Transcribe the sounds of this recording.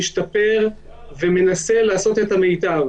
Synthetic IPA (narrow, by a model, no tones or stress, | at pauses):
iʃt̪ape̞ʁ | veme̞nase̞laːso̞t̪e̞t̪amejt̪av